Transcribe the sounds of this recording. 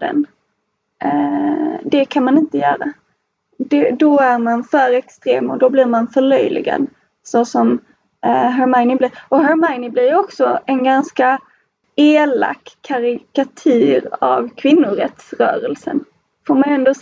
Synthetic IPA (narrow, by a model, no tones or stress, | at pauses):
d̪ə̰n | d̪ɛkʰanmanɪnt̪əjœːɾa̰ | d̪ɛd̪ɔæɾmanfœːɾɛkst̪ɾḛːmɔd̪ɔbliːɾmanfœɭœjlɪ̰ɡa̰d̪ | sosɔm | ɦaɾmaɪnɪblɪɾɔɦaɾmaɪnɪblɪɾjɔksɔɛnɡanska | eːla̰kːkʰaɾɪkat̪ʰʉ̟ːɾa̰vkʰvɪnːʊɾɛt̪sɾœ̰ːɾɛlsə̰n | foːɾmanɛnd̪oː